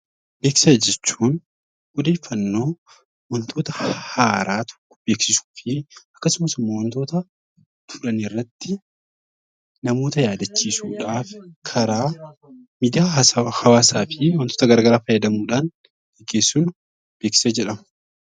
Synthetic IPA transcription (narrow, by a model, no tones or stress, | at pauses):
be̞ːksɪ̥sɐd͡ʒɛt͡ʃːuːn | ɔd̪e̞ːfːɐnːo̞ː | wɐnt̪ʰoːt̪ɐhaːɾʔaːt̪ʰɔ̥kːɔ̥b̥e̞ːksɪsu̥ːfɪɐkːɐsʊmɐsʊmːɐwɐnt̪o̞ːt̪ɐ | t̪ʰʊ̥ᶑɐnɪrːɐt̪ːɪ | nɐmo̞ːt̪ɐjaːd̪ɐt͡ʃːiːsuːᶑaːfkʰɐɾaː | miːd̪ɪjaːhɐwaːsaːfɪwɐnt̪oːt̪ɐɡɐɾɡɐɾaːfɐjːɐd̪ɐmuːᶑaːn | ɡ̥ɛɡːeːsːuːn | b̥eːksɪ̥sɐd͡ʒɛᶑɐmʊ